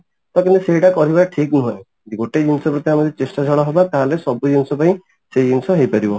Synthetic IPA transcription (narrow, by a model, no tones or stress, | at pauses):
t̪ɔkint̪eseɦiʈakɔɾibaʈʰiknuɦẽ | d̪iɡoʈed͡ʒinsɔpɾɔt̪iamɔd̪et͡ʃesʈad͡ʒʱʰɔɭɔɦebak̪aɦlesɔbud͡ʒinsɔpaĩ | sed͡ʒinsɔɦejpaɾibɔ